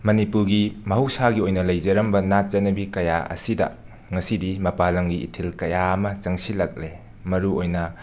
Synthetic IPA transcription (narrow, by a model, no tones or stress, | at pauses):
mɐnipuɾɡimɐɦɐwsaɡiojnɐlɐjzɐɾɐmbɐnat̚t͡ʃɐnɐbikɐja̰ɐ̰sidɐ̰ | ŋɐsidimɐpalɐŋɡiḭtʰilkɐjaɐmɐt͡ʃɐŋsilɐk̚le | mɐɾuojnɐ